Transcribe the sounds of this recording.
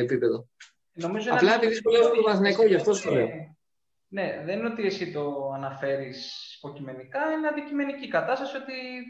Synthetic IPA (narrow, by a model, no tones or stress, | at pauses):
et̪ipeðo | no̞mizoeɐplɐepiðiuleosmt̪ovɐsnɐiko̞ʝɐft̪ost̪ole | ne̞ðe̞nno̞t̪ie̞sit̪o̞ɐnɐfe̞ɾispo̞cime̞nikɐineɐnd̪icime̞nicikɐt̪ɐst̪ɐsio̞t̪i